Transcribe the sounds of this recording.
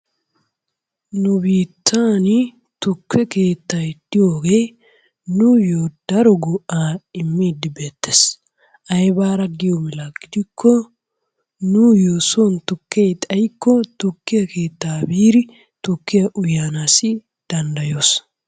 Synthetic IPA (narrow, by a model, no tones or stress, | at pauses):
nʊbiːt̪ʰːaːnɪ | t̪ʊkːɛke̞ːt̪ːaɪd̪̥ːɪjoːɡeː | nʊjoːd̪̥ɐɾɔɡʊʔaːɪmːiːd̪ɪbe̞ːt̪ːes | ʔɐjbaːɾɐɡɪjɔbɪlaːɡɪd̪ɪkʰːɔ | nʊjoːsoːnt̪ʊkːejt̪ʼɐjkːɔt̪ʊkːɪjɐke̞ːt̪ːaːbiːɾɪ | t̪ʊkːɪjɐʔʊjaːnaːsɪ | d̪̥ɐnd̪ɐjoːs